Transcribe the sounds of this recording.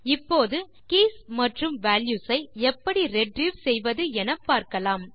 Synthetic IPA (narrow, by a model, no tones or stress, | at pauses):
ɪpːoːðɯ | kiːsmɐʈrɯmʋaːljuːsɐɪɛpːɐɽiɾɛɖɾiːʋsɛjʋɐðɯɛnɐpːaːɾkɐlaːm